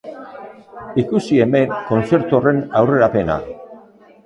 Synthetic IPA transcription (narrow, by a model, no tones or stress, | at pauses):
ikusie̞me̞ŋko̞nt͡se̞ɾt̪uore̞nawre̞ɾape̞na̰